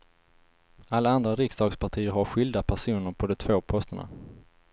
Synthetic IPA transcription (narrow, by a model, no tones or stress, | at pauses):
alːaand̪ɾaɾɪksd̪ɑːɡspʰaʈʰiːəɾɦaɾɧʏld̪apʰæʂuːnəɾpʰɔd̪ɔt̪ʰvoːpʰɔst̪əɳa̰